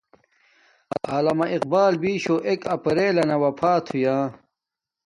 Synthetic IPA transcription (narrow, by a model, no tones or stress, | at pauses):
aːlɐmɐʔiq̚baːlbiːɕoʔekɐpɐɾeːlɐnɐwɐpʰaːt̪ʰujãː